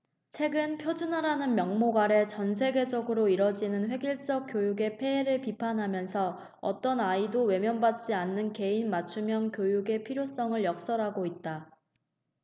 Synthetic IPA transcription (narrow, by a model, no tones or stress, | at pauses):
t͡ɕʰwe̞ɡɯnpʰjod͡ʑunɦaɾanɯnmjʌŋmoɡaɾe̞t͡ɕʌnsʰe̞ɡe̞d͡ʑʌɡɯɾoiɾʌd͡ʑinɯnɸwe̞ɡiɭt͡ɕ͈ʌk͈̚jojuɡe̞pʰe̞ːɾɯɭpipʰanɦamjʌnsʰʌ | ʌ̰t͈ʌnaidowe̞mjʌnbat̚t͡ɕ͈ianːɯnke̞inmat͡ɕʰumjʌŋkjojuɡe̞pʰiɾjos͈ʌŋɯɭjʌk̚s͈ʌɾɦaɡoit̚t͈a